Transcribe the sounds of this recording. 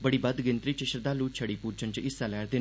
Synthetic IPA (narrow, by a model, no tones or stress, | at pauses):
bəɽiːbəd̪ɡɪnt̪ɾiːt͡ʃɪʃəɾd̪aːluːt͡ʃʰəɽiːpuːɾt͡ʃənt͡ʃɪsaːlɛːɾd̪eː